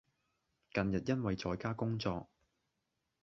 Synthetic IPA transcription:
kɐ˨njɐ˨t̚jɐ˥nwɐ˨jt͡sɔː˧jkaː˥kʊ˥ŋt͡sɔː˧k̚

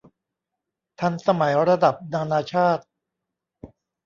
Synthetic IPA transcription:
t̪ʰa˧nsa˧ma˩˦jɾa˧da˨˩p̚naː˧naː˧t͡ɕʰaː˥˩t̪̚

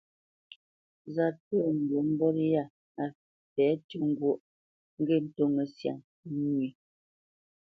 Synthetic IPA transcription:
za˨tə˦˨ŋ̩˨ɡe˨m̩˦bɔ˦ɾja˦˨ | a˨ | pɛ˨˦tu˦˨ŋ̩˦˨ɡwo˦ʔ | ŋ̩˦ɡe˦˨n̩˨to˦ŋə˨sja̰˨ŋ˦ | ɲwi˨

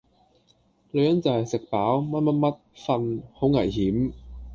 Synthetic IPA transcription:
lɵ˨˧ɥjɐ˨˥nt͡sɐ˨whɐ˨jsɪ˨k̚paː˨˥wmɐ˥t̚mɐ˥t̚mɐ˥t̚fɐ˧nho˨˥wŋɐ˨˩jhiː˨˥m

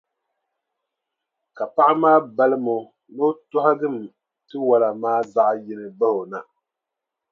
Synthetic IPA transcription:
ka˨pa˦ʔa˦maː˦ba˦lɨ˦mo˨ | no˦tʊ˦ɦa˦dɨ˦˨m˨ | tɨ˦wa˨la˨maː˦za˦ʔjɪ˦nɨ˨ba˦ho˨na˨

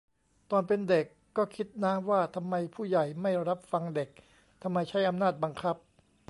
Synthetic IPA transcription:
t̪ɔː˧npe˧nde˨˩kːɔː˥˩kʰi˦˥t̪̚naː˦˥mwaː˥˩t̪ʰa˧mːa˧jpʰuː˥˩ja˨˩jma˥˩jɾa˦˥p̚fa˧ŋde˨˩k̚ | t̪ʰa˧mːa˧jt͡ɕʰa˦˥jʔa˧mnaː˥˩t̪̚ba˧ŋkʰa˦˥p̚

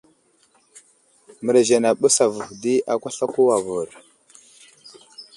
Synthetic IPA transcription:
mə˨ɾa˨ze˨na˨ɓə˦sa˨və˨vdi˦a˨kʷa˦ɬa˦ku˦wa˨vu˨ɾ

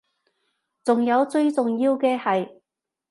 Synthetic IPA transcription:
t͡sʊ˨ŋjɐ˨˧wt͡sɵ˥˧ɥt͡sʊ˨ŋjiː˧wkɛː˧hɐ˨j

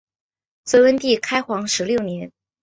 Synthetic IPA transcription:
t͡swe˧˥wə˥nt̪i˥˩kʰa˥ɪxwɑ˧˥ŋʂɻ̩˧˥ljo˥˩ʊnjɛ˧˥n

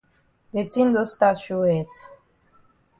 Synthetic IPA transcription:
d̪e˨ti˦nd̪o˦st̪a˦ʃu˦ɛ˨t̪ḁ˨

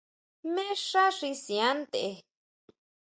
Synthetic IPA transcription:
mẽ˦ʂa˦ʂi˧sĩ˨ã˦nt̪e˨e˧

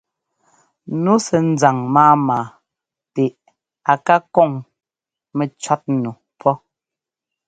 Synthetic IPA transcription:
nu˨˦sɛ˨n̩˦d͡za˨ŋmaː˦maː˨ | te˨ʔ | a˨ka˦kɔ˦˨ŋ | mɛ˨t͡ʃa˦t̚nu˨ | pʰɔ˦

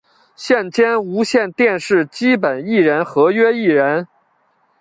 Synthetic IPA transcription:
ɕjɛ˥˩nt͡ɕjɛ˥nu˧˥ɕjɛ˥˧nt̪jɛ˥˧nʂɻ̩˥˩t͡ɕi˥pə˨˩ni˥˩ɻə˧˥nxɤ˧˥ɥɛ˥i˥˩ɻə˧˥n

